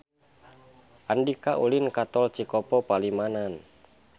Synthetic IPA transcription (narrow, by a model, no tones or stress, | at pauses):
ʔandikaʔulinkat̪ɔlt͡ʃikɔpɔpalimanan